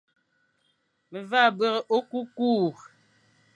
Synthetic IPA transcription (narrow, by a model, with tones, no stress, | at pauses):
me˨va˦˨bə˦ɣe˨ʔo˦ku˦kuː˦˨